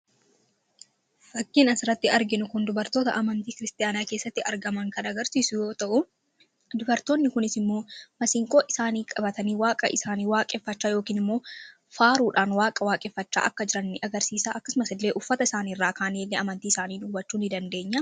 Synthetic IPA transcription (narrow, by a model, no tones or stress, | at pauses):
fɐkːɪnɐsɪɾɐt̪ːɪɐɾɡɪnʊkʊnd̪ʊbɐɾt̪o̞ːt̪ɐ̰ʔɐmɐnt̪iːkɪɾɪst̪ʼɪjaːnaːke̞ːsːɐt̪ːɪɐɾɡɐmɐŋkɐnɐɡɐɾsiːsʊjo̞ːt̪ɐʔʊ | d̪ʊbɐɾt̪o̞ːnːɪkʊnɪsɪmːo̞ːmɐsɪŋkʼoːʔɪsaːniːkʼɐbɐt̪ɐniːwaːkʼɐ̰ʔɪsaːniːwaːkʼɛfːɐt͡ʃːaːjo̞ːkiːnɪmːo̞ː | faːɾuːᶑaːnwaːkʼɐwaːkʼɛfːɐt͡ʃːa̰ːʔɐkːɐd͡ʒɪɾɐnːɪʔɐɡɐɾsiːsaːʔɐkːɐsʊmɐsɪlːe̞ːʔʊfːɐt̪ɐɪsaːniːrːaːkaːniːlːeːʔɐmɐnt̪iːɪsaːniːnʊːbɐt͡ʃːuːnɪd̪ɐnd̪e̞ːɲːɐ